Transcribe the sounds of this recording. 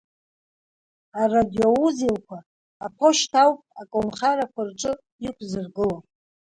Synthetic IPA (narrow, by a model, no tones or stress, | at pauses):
aradiouzelkʷʰaː | pʰoʃtʰawpʼakʼonχaɾakʷʰarʈ͡ʂʼɨ | ikʷʰzɨrɡɨlo